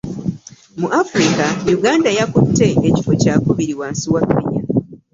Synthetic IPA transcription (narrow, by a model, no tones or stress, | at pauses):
muʔafuɾikajuɡaːndajakutːe̞eci̥focaːkuβiɾiwaːnsiwakːiɲa